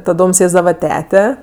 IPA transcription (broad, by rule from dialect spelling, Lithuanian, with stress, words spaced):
tɐˈdoːm ˈsʲeːzdɐʋɐ ˈtʲæːtʲɛ